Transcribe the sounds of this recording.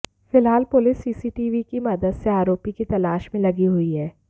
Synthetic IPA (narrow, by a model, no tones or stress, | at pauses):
fɪlɦaːlpʊlɪsːiːsiːʈiːʋikimɐd̪əd̪seaːɾoːpikit̪ɐlaːʃmẽlɐɡiɦʊiɦɛː